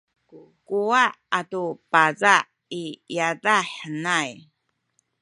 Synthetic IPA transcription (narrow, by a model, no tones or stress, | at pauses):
kuaʔatupazaʔ | ijadaħənaj